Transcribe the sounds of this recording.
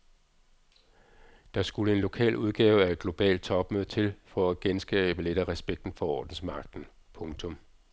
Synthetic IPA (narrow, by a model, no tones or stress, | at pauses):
d̥ɑ̈sɡ̥uləe̝nlo̝kʰɛ̰ːluð̞ˠɡ̥ɛːʊæɐe̝d̥̚ɡ̥lo̝b̥ɛ̰ːld̥̚t͡sʰɒ̽b̥møðˠt͡sʰe̝lfɒ̽æɡ̥ensɡ̥ɛ̰ːb̥əleɾ̥ɐʁɛsb̥eɡ̥d̥n̩fɒ̽ɒ̰ːd̥n̩smɑ̈ɡ̥d̥n̩ | pʰɔ̽ŋt͡sʰɔ̽m